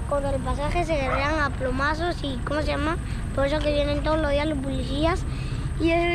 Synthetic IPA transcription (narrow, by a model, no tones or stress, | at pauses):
kond̪elpas̬axes̬eɣeɾeɾaŋaplomasosikomos̬ejama | poɾesok̬eβjenent̪oðoloðiaðelospoliθias | ie